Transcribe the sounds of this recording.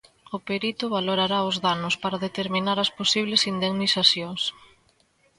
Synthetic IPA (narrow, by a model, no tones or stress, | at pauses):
ʊpeɾit̪ʊβaloɾaɾaʊzðanʊspaɾaðet̪eɾminaɾɐsposiβlesind̪eŋnisaθjoŋs